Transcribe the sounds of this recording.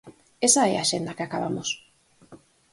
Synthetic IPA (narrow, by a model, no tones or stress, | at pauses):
esaɛaʃend̪akɪakaβamos